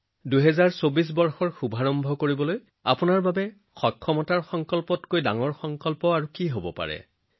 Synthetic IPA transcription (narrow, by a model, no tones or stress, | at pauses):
duɦɛzaɹsobis̬bɔɹxɔɹxubʱaɹɔmbʱɔkoɹibɔloj | a̰pʊnaɹbabɛ | xɔkʰːɔmɔtaɹxɔŋkɔlpɔtkojda̰ŋɔɹxɔŋkɔlpɔaɹukiɦobɔpa̰ɹɛ̰